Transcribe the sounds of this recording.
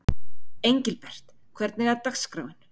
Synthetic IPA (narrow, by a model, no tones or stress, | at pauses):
ejɲcɪlpɛr̥t̪ | kʰvɛɾt̪̚nɪɣaɾt̪akskɾa̰ːwɪn̥